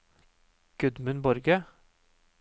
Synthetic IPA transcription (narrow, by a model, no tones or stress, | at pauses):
ɡ̥ʉd̪mʉnbɔɾɡə